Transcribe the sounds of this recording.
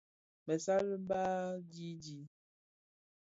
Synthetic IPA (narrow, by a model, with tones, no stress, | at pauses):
mɛ˨sa˦lə˦ba˦d͡ʒi˦d͡ʒi˨˦